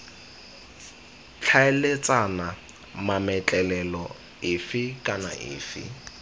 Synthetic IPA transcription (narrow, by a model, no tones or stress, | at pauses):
t͡ɬʰaɛlet͡sʼana | mamɛt͡ɬʼɛlɛlɔ | ɪfɪkʼana̰ʔɪ̰ːfɪ̰